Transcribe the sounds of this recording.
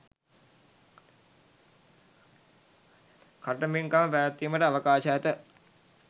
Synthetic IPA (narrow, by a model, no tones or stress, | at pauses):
kaʈəmiŋkaməpænət̪ːiːməʈəaʋəkaːʃəæt̪ə